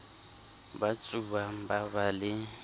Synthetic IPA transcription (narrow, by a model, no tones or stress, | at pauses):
bat͡sʼuβabaβalɪ